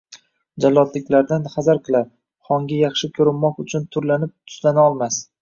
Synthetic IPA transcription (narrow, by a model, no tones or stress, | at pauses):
d͡ʒalːɒd̪lɪkʲlaɾd̪anχazaɾqʰɨlˠaɾ | χɒŋɡʲajɑχʃɪkʲʰɵɾɪmːɒqʊt͡ʃʰʊnt̪ʰʊɾlanɪp̚t̪ʰʊ̥slanaɒlˠmas